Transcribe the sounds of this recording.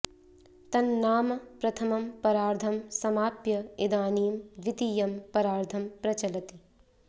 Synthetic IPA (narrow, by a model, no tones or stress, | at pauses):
t̪ɐnːaːmɐpɾɐt̪ʰɐmɐmpɐɾaːɾd̪ʱɐmsɐmaːpjɐid̪aːniːmd̪ʋit̪ijɐmpɐɾaːɾd̪ʱʰɐmpɾɐt͡ʃɐlɐt̪i